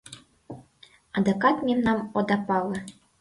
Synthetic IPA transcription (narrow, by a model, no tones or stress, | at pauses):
ɑd̪okɑt̪mʲemnɑmod̪ɑpɑlˠɤ̆